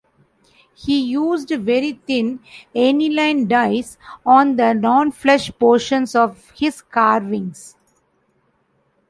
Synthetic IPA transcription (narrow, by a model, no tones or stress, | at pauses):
hiːjuːzɖʋeɾit̪ɪ̃nenilãɪ̃nɖaɪsɔ̃ːnd̪ənɔ̃ːnflɛʃpoːɾʃə̃nsɔʋ | hɪzkaːɾʋɪ̃ŋs